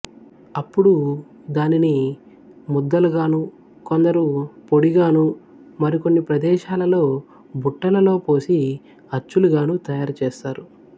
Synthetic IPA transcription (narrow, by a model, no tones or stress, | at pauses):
ɐpːuɽu | d̪aːnini | mud̪ːɐluɡaːnu | ko̞nd̪ɐɾupo̞ɽiɡaːnu | mɐɾiko̞nːipɾɐd̪ɛːʃaːlɐlo̞ː | buʈːɐlɐlo̞ːpo̞ːsi | ɐt͡ʃːuluɡaːnut̪ɐjaːɾt͡ʃeːst̪aːɾu